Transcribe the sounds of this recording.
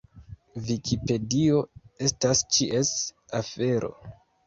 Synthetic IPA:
vikʰipe̞dio̞e̞stast͡ʃiʔe̞safe̞ɾʔo̞̰

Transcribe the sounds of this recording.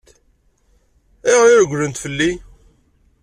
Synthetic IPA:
ɪʁjʊɾɡʷlənt̪fəlːi

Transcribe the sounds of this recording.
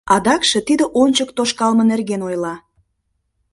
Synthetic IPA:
ɑd̪ɑkʃĕt̪id̪ə̆ʔonʲt͡ɕək̚t̪oʃkɑlmənerɣenojlɑ

